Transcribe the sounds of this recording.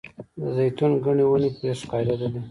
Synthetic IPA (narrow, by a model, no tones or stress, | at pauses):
d̪əzajt̪unɡaɳiwanipɾeʂqɑjd̪ad̪ad̪i